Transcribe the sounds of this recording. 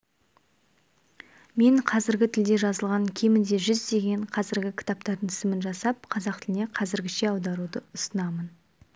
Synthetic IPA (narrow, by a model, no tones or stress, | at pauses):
me̞ɴqʰɑzɪɾɡʲɪt̪ʰɪld̪e̞ʒɑzəlˠʁɑŋkʲʰemɪnd̪e̞ʒʏzd̪e̞ɡʲe̞ɴqʰɑzɪɾɡʲɪkʲʰɪ̥t̪ap̚t̪ɑɾd̪ənɪsɪmɪnʒɑsɑp̚qʰɑzɑqt̪ɪlɪne̞qʰɑzɪɾɡʲɪʃe̞ɑwd̪ɑɾud̪əʊsənɑmən